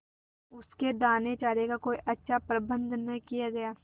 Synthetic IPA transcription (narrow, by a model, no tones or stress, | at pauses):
ʊsked̪aːnet͡ʃaːɾeɡakoːiʔɐtːʃʰapɾɐbə̃nd̪nɐkijaɡɐjaː